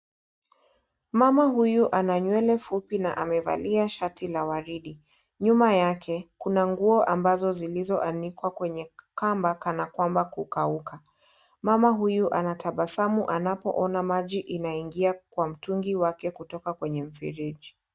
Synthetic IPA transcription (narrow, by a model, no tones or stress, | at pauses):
mamaɦujuʔanaɲwɛlɛfupinaʔamɛva̰liaʃatʰilawaɾiɗi | ɲumajakʰɛkunaŋɡuɔʔambazɔzilizɔʔanikwakwɛɲɛkambakanakwambakukaukʰa | mamaɦujuʔanatʰaɓasamuʔanapɔ̰ʔɔnamaʄiʔinaiŋɡiakwam̩tuŋɡiwakɛkutɔkakwɛɲɛm̩fḭɾiʄi